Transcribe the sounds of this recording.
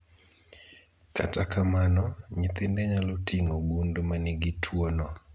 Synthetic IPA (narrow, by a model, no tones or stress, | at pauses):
ka̰takamanɔɲɪt̪ɪndɛɲalotʰiŋoɡundmanɪɡitʰwonɔ